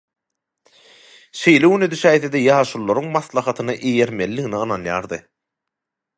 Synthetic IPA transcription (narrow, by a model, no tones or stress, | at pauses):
ʃe̞jleɣyned̪yʃæːjθed̪ejɑːʃulˠːoɾuŋmɑθlˠɑχɑt̪ʰɯnɯʔeje̞ɾme̞lːiɣiniɯnɑnjɑːɾd̪ɯ